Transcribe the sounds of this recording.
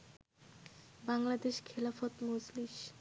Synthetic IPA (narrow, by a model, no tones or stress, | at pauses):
baŋlad̪eʃkʰelafot̪mod͡ʑliʃ